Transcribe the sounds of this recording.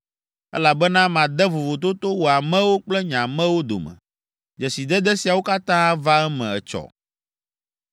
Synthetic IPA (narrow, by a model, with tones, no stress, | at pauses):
ɛ̰˦la˨bɛ˦nã˦mã˨d̪ɛ˦vo˨vo˨t̪o˦t̪o˦wo˨a˨mɛ̃˦wo˦k͡plɛ˦ɲã˨mɛ̃˦wo˦d̪o̰˨mɛ̰̃˨ | d͡ʒɛ˨si˨d̪ɛ˦d̪ɛ˦si˨a˨wo˦ka˦t̪ã˦va˦ɛ˦mɛ̰̃˨ɛ˨t͡ʃɔ̰˨